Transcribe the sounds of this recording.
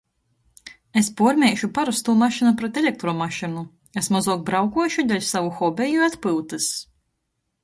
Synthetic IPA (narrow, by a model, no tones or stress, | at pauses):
espuɔɾmʲɛjʃupaɾust̪uːmaʃinupɾɛt̪elʲek̚t̪ɾɔːmaʃinu | esmazuɔk̚bɾawkuɔjʃud̪ʲɛlʲsavuxɔbʲɛjuat̪pɨwt̪ɨs